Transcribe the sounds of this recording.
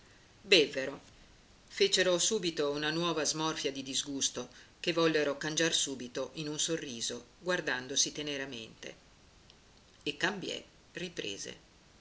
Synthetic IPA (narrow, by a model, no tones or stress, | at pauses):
bɛvːeɾo | feːt͡ʃeɾosuːbit̪ounanwɔːvazmɔrfjad̪id̪izɡust̪okevːɔlːeɾokand͡ʒarsuːbit̪oʔinunsorːiːzoɡward̪and̪osit̪eneɾament̪ḛ | ekːambjɛ̰ | ripɾḛːzḛ